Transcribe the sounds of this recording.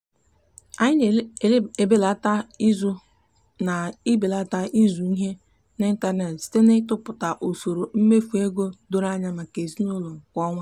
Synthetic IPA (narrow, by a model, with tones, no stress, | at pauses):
a˨ɲɪ˦n˨˦˨e˨be˦la˦ta˦i˦zʊ˦ | na˨ɪ˦be˨la˦ta˦ʔi˦zu˨i˦ɦe˦ | n˦n̩˦ta˦ɾne˨tste˦ne˦tʊ˦pʊ˨ta˨ʔo˨so˨ɾo˨m̩˦me˦fu˨e˦ɡo˦do˦ɾa˦ɲa˦ma˨ke˨zi˦nʊ˦lo˨ŋ̩˨kʷɔ˦ŋʷa˦